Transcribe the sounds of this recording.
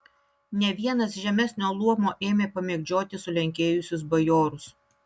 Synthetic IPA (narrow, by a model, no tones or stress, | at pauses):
nʲɛʋʲiɛnɐs̬ʒʲɛmʲɛsʲnʲoːlˠuɔmoːʔeːmʲeːpɐmʲeːɡʲd͡ʒʲoːt̪ʲɪsʊlʲɛŋʲkʲeːjʊsʲʊs̬bɐjoːɾʊs